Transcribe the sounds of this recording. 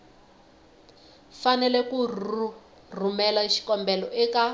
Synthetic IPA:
fanɛlɛkur | rumɛlaʃi̥kɔmbɛlɔʔɛka

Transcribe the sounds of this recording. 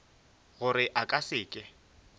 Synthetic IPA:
ɣʊɾɪʔakʼasɪːkʼɪ

